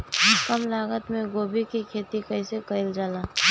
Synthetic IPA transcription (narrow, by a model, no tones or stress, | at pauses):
ɦʊkəmlaːɡət̪mẽɡoːbikikʰeːt̪ikəɪsekəɪld͡ʒaːlaː